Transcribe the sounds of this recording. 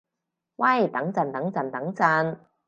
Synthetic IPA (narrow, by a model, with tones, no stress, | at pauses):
wɐ˥˩jt̪ɐ˨˥ŋt͡sɐ˧˩nt̪ɐ˨˥ŋt͡sɐ˨˧˩nt̪ɐ˨˥ŋt͡sɐ˧n